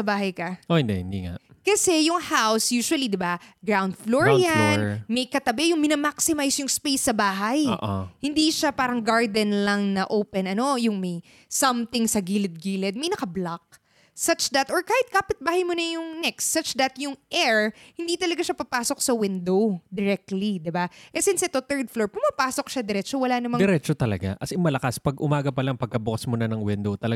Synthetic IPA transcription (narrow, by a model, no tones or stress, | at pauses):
sɐbaːɦɐjkɐʔohɪnd̪ɛ̰hɪ̃nd̪ḭŋa̰ʔkɐsɛjʊŋhawsjuːʃwɐlid̪ɪbaɡɹawnd̪floɹɪanmɐjkɐt̪ɐbɛjʊŋmɪnɐmaksɪmajsjʊŋspejsːɐbaːɦɐjʔo̰hɪnd̪iʃapaːɾɐŋɡaɹd̪ɛnlɐŋnɐʔowpɛnɐno̞jʊŋmɐj | sɐmt̪ɪŋsɐɡiːlɪd̪̚ɡiːlɛd̪̚mɐjnɐkɐblɐk̚ | sɐt͡ʃd̪ɐt̪ʔoɹkaːhɪt̪̚kaːpɪt̪̚baːhɐjmonɐjʊŋnɛkst̪sɐt͡ʃd̪ɐt̪jʊŋʔɛɹhɪnd̪iːt̪ɐlɐɡaʃapɐpaːsok̚sɐwɪnd̪o̞wd̪ɛɾɛk̚t̪lid̪ɪbaʔɛsɪnsɛt̪o̞t̪ɛɹd̪̚floɹpʊmapaːsok̚ʃad̪ɛɾɛːt͡ʃowɐlaːnɐmɐ̃d̪ɛɾɛt͡ʃot̪ɐlɐ̰ɡa̰ʔɐsɪmɐlɐkaspɐɡʔʊmaːɡɐpɐlaŋpɐɡ̚kɐbʊkɐsmonɐnɐŋwɪnd̪owt̪ɐlɐ